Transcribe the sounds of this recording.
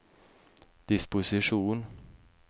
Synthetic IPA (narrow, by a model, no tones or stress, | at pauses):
d̪̥ɪspʊsɪʂuːn